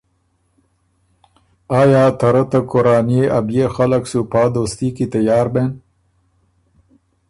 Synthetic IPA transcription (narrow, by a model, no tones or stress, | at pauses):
ɑːjɑːt̪aɾat̪akoɾɑːnijeʔabjexalaksupɑːd̪oːst̪ikit̪ajɑːɾben